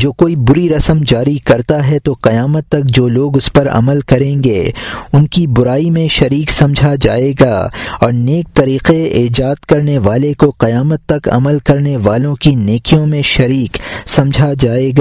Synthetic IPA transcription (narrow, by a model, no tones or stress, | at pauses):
d͡ʒoːkoːibʊɾiɾɐsəmd͡ʒaːɾikɐɾt̪aɦɛt̪oqɐjaːmət̪ːɐk̚d͡ʒoːloːɡʊspɐɾɐ̰məlkɐɾẽːŋɡeːʊnkibʊɾaːimẽʃɐɾiːksɐ̃md͡ʒʱad͡ʒa̰ːeːɡa̰ːɔ̰ːɾneːk̚t̪ɐɾiːqeeːd͡ʒaːd̪kɐɾneʋaːlekoqɐjaːmət̪ːɐkɐ̰məlkɐɾneʋaːlõkineːkijõmẽʃɐɾiːksɐ̃md͡ʒʱad͡ʒaːeːɡaː